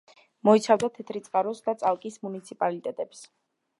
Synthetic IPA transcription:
mɔit̪sʰavd̪at̪ʰɛt̪ʰɾit̪sʼqʼaɾɔsd̪at̪sʼalˠkʼismunit̪sʰipʼalit̪ʼɛt̪ʼɛps

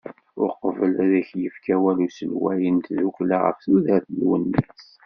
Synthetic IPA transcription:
ʊɾqvəlæðæçjəfkæwælusəlwæjənt̪ðukʷlaʁə̰fθuðæθəlwə̰nːis

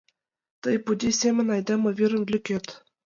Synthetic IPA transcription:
t̪ɤjpud̪ʲisʲemʲɘ̆nʲɑjd̪ɑmɤ̆vʲiɾʲɘ̆nʲlʲykʲet̪ʲ

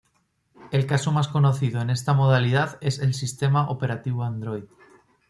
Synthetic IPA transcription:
e̞lkasomasko̞noθiðoene̞st̪amo̞ð̞alið̞aðe̞se̞lsist̪e̞maʔope̞ɾat̪iβ̞oand̪ɾojð

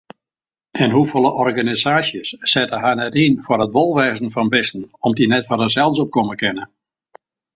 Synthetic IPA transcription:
ʔɪnɦufolˠəʔɔrɡanizaːsjəsːɛtəɦanɛtinfʊrətʋolˠʋɛːzən̩fɔnbɪstn̩ɔmdinɛtfɔrdəsɛlˠsɔp̚koməkɪnə

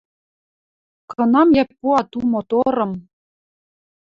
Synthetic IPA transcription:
kɤ̆nɑmjɛpːuɑt̪umot̪oɾɤ̆m

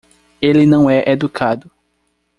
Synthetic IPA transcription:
elinɐ̃w̃ɛʔed̪ukʰad̪ʊ

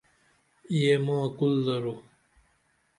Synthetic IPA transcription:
iemõːkulːɐɾo

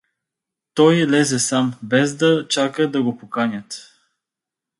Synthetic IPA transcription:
t̪ɔjlɛzɛsambɛzd̪ɐt͡ʃakəd̪ɐɡopokanʲət̪

